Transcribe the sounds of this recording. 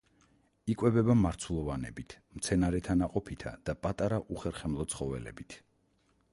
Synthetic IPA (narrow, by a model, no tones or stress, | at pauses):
ikʼwɛbɛbamaɾt̪sʰulˠɔvanɛ̰bit̪ʰ | mt̪sʰɛnaɾɛt̪ʰanaqʼɔpʰit̪ʰa̰d̪̥apʼat̪ʼaɾaʔuχɛɾχɛmlˠɔt̪sʰχɔvɛ̰lɛ̰bit̪ʰ